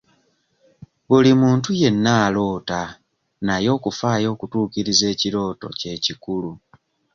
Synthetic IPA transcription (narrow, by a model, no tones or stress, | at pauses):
βulimuːntuje̞nːaːlo̞ːta | najo̞ːkufaːjo̞ːkutuːkiɾize̞ːciɾo̞ːto̞̰ce̞ːcikulu